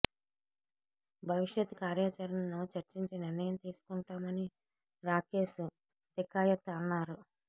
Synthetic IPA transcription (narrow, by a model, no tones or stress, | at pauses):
bʱɐʋiʂjɐt̪ːkaːɾjaːt͡ʃɐɾɐnɐnoːt͡ʃɐɾt͡ʃiɲt͡ʃiniɾnɐjɐmt̪iːsu̥kuɳʈaːmɐni | ɾaːkeːsu | d̪ikaːjɐt̪ːɐnːaːɾu